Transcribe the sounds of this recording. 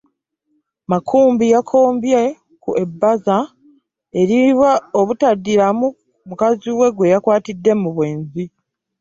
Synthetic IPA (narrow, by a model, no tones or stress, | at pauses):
makʰuːmbijakʰo̞ːmbje | kuʔe̞bːaza | e̞ɾiβwaoβutadːiɾamu | mukaziwe̞ɡwe̞jakwaːtidːe̞muβwe̞ːnzi